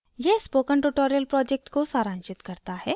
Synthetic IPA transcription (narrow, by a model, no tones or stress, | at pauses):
jɛɦspoːkəɳʈuʈoːɾijəlpɾɔːd͡ʒek̚ʈkosaːɾãːnʃɪt̪kɐɾt̪aɦɛː